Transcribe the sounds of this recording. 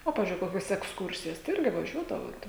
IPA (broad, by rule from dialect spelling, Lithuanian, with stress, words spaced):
oː ˈpɑːʋʲɪzʲd͡ʒʲʊɪ ˈkoːkʲoːs ɛksˈkʊrʲsʲɪjoːs tɐɪ ˈɪrʲɡʲɪ ʋɐˈʒʲuɔdɐʋoːt